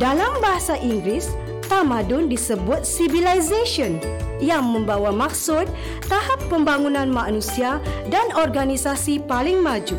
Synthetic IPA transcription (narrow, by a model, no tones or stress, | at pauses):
dalambaɦasaʔiŋɡɾɪs | t̪amãdʊndisəbʊt̪̚sivilajzaʃiɔn | jaŋmə̃mbawamak̚sʊt̪̚ː | ahapːəmbaŋunãnmanusiadanɔrɡanisasipalɪŋmad͡ʒu